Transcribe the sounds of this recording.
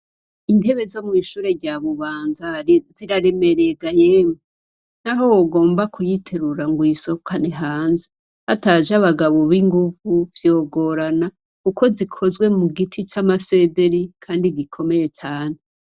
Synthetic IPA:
inde̞βe̞zo̞mŋiːʃuːɾe̞ɾɟaβuβaːnzaziɾaɾe̞me̞ɾe̞ɡajeːme | naɦo̞woɡo̞ːmbakujitʰe̞ɾuɾaŋɡwiːso̞kʰaneɦaːnze | hatad͡ʒaβaɡaβo̞βiŋɡuvuvjo̞ːɡo̞ɾana | kukʰo̞zikʰo̞zwe̞muɡitʰit͡ʃamase̞ːde̞ɾikʰaːndiɡikʰo̞me̞je̞t͡ʃaːne

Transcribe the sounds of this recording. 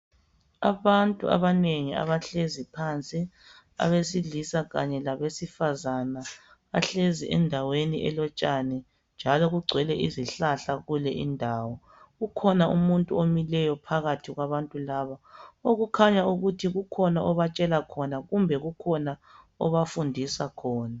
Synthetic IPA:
aβantʼṵʔa̰βaneŋia̰βaɬezipʰant͡sʼi | a̰βesiɮisaɣa̰ɲɛlaβesifazana | aɬeziʔɛ̰ndʱaweniʔɛ̰lɔt͡ʃʼanɛ | nd͡ʒʱalɔɣuɡ͡ǀʱwɛlɛʔiziɬaɬaɣulɛʔindʱaːwɔ | ɣukʰɔnaʔumuntʼuomilɛjɔpʰaɣatʰiɣwaβantʼulaːβaoɣukʰaɲauɣutʰiɣukʰɔnaʔɔβat͡ʃʼɛlakʰɔnaɣumbʱɛɣukʰɔna | ɔ̰βafundʱisakʰɔːna

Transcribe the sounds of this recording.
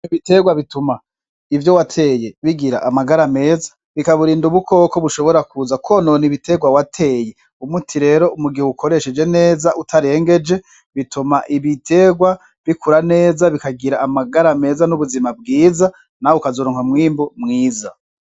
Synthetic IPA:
iβite̞ɡwaβituma | ivjo̞watʰe̞ːje̞βiɡiɾa̰ʔamaɡaɾame̞ːzḁ | βikaβuɾiːnduβukʰo̞ːko̞βuʃo̞βo̞ɾakuzakononiβitʰe̞ɡwawatʰe̞ːje̞ | umutʰiɾe̞ɾo̞umuɡiheukʰo̞ɾe̞ʃed͡ʒe̞ne̞ːzaʔutʰaɾe̞ːŋɡe̞d͡ʒe̞ | βitumaʔiβitʰe̞ːɡwa | βikʰuɾane̞ːzaβikaɡiɾaːmaɡaɾame̞ːzanuβuzimab̚ɡiːza | naukazoːɾoːŋhamŋiːmbomŋiːza

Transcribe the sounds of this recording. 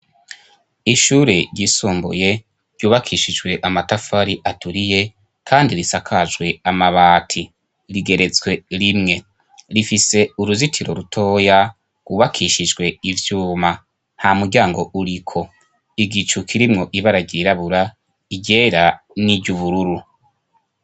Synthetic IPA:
iʃuɾeɾɟisuːmbṵje̞ | ɾ̥ɟuːβakʰiʃid͡ʒɡwe̞ʔamatafaɾiʔatuɾije̞ | kʰaːndiɾisakʰad͡ʒɡwe̞amaβaːtʰi | ɾiɡe̞ɾe̞t͡sɡwe̞ɾimŋe̞ | ɾifise̞uɾuzitʰiɾo̞̰ɾutʰo̞ːja | ɡ̥uβakʰiʃid͡ʒɡwe̞ivjuːma | nhamuɾɟaːŋɡo̞ʔuɾikʰo̞ | iɡit͡ʃukʰiɾimŋo̞ʔiβaɾaɟiɾaβuɾa | iɟe̞ːɾa | niɟuβuɾuɾu

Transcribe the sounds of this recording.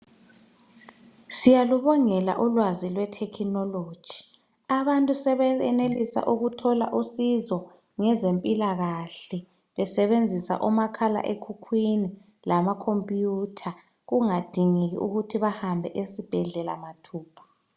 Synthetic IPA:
sijaluβɔŋɛla̰ʔulwazilwɛtʰɛkʰinɔloːd̥ʒ̥ʱi̥ | aβantʼusɛβɛɛnelisa̰ʔuɣutʰɔla̰ʔusizɔ | ŋɛzempʼilaɣaɬɛ | βɛsɛβend͡zʱisa̰ʔumakʰala̰ʔekʰukʰwini | lamakʰompʼjutʰa | ɣuŋad̥ʱiŋeɣḭʔuɣutʰiβahambʱɛʔesib̥ʱɛɮɛla̰matʰuːpʰḁ

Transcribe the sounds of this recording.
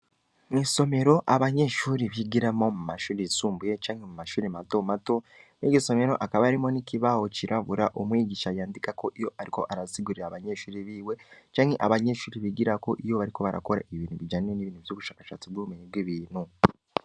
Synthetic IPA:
niso̞me̞ɾo̞ʔaβaɲe̞ʃuːɾiβiɡiɾemo̞mumaʃuːɾisuːmbujet͡ʃaːŋhemumaʃuːɾimato̞mato̞ | neɟiso̞me̞ɾo̞ʔakaβaaɾimo̞niciβaho̞ciɾʔaβuɾaʔomwiːɟiʃajaːndikako̞ʔijo̞ʔaɾiko̞̰ʔaɾasiɡuɾiɾaβaɲe̞ʃuːɾiβiːwe̞t͡ʃaːŋheʔaβaɲe̞ʃuːɾiβiɡiɾako̞ʔijo̞βaɾiko̞βaɾa̰ko̞ɾa̰ʔiβiːn̥uβid͡ʒaniɾeniβiːnhuvjoːβuʃaːkaʃa̰ːt͡sibɡuumiɲiɡwiβiːn̥hu

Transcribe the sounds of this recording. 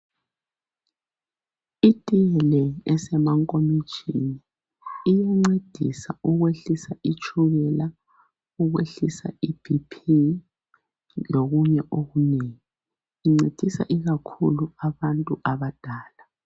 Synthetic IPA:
itʼijɛlɛɛsɛmaŋkʼomi̥ʒ̥ʱiniː | jaŋ͡ǀed̥ʱḭsauɣweɬisait͡ʃʰʼuβɛla | uɣwḛɬisa̰ibʰipʰi | loɣuɲɛʔoɣuneːŋi | iŋ͡ǀed̥ʱisa̰ʔiɣakʰṵluaβantʼuʔaβad̥ʱaːla

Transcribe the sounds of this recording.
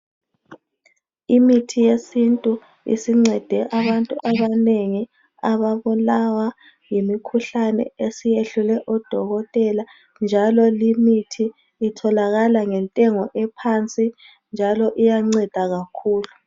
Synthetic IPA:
imitʰijesintʼu | ḭsiŋ͡ǀɛd̥ʱɛʔaβantʼuʔaβaneŋi | aβaβulawa | jimikʰuɬanɛ̰esijeɬulɛʔɔd̥ʱɔɣɔtʼɛla | nd͡ʒʱalɔlimitʰiː | tʰɔlaɣalaŋɛntʼɛŋɔʔɛpʰant͡sʼi | nd͡ʒʱalɔʔijaŋ͡ǀɛd̥ʱaɣakʰuːlu

